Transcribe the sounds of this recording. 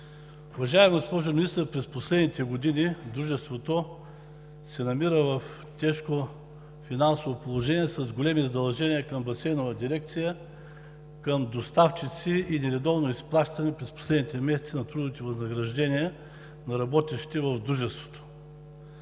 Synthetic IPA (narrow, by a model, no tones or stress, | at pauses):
ʊvɐʒaɛmɡospɔʒominist̪əɾpɾɛsposlɛd̪nit̪ɛɡod̪inid̪ɾuʒɛst̪vot̪o | sɛnɐmiɾəvɐf | t̪ʲɛʃko | finansovopolˠoʒɛnʲiɛsɐzɡolɛmizɐd̪ɐlˠʒɛniəkəmbɐsɛjnovɐd̪iɾɛk̚t̪sijə | kəmd̪ost̪aft͡ʃit̪siinɛɾɛd̪ɔvnoisplˠaʃt̪ɐnɛpɾɛspo̥slɛd̪nit̪ɛmɛsɛt̪sinɐt̪ɾud̪nit̪ivɐznɐɡɾɐʒd̪ɛniɛ | nɐɾɐbɔt̪iʃt̪ɛvɐvd̪ɾuʒɛst̪vo̥t̪o̥